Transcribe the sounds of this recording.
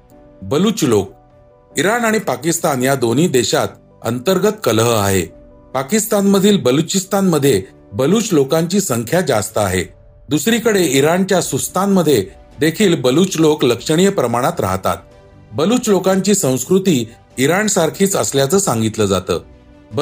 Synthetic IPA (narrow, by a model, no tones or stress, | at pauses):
bəluːt͡ɕlok̚ | iɾanaɽ̃ipakist̪anjad̪on̤iːd̪eɕat̪ | ə̰nt̪əɾɡət̪kəlɦəa̰ɦḛ | pakist̪anməd̪ʱiːlbəlut͡ɕist̪anməd̪ʱːje | bəluːt͡ɕlokaɲt͡ɕiːsəŋkʰjad͡ʑast̪əa̰ɦḛ | d̪usɾiːkəɽeiɾant͡ɕjasust̪anməd̪ʱːje | d̪ekʰiːlbəluːt͡ɕlokləkʂəɽ̃ijəpɾəmaɽ̃at̪ɾa̰ɦt̪a̰t̪̚ | bəluːt͡ɕlokaɲt͡ɕiːsə̃w̃skɾut̪iː | iɾansaɾkʰiːt͡səsljat͡səːsãŋɡit̪ləd͡za̰t̪ə̰ː